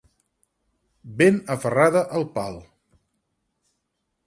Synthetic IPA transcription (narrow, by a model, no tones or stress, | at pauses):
benəfəraðəʔəlˠpalˠ